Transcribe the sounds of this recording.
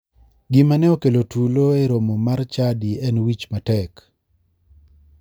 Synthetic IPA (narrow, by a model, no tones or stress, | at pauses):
ɡɪmanɛokelotuloeɾomomart͡ʃadiɛnwit͡ʃmatɛk